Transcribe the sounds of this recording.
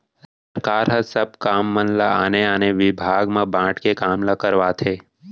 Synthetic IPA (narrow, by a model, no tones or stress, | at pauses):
s | əɾkaːɾɦəsəb̚kaːmːənlaaːneaːneʋɪbʱaːɡmẽbãːʈʰkekaːmlakəɾʋaːt̪ʰɦeː